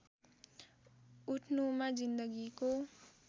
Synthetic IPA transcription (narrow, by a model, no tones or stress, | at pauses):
uʈʰnumad͡zind̪əɡiko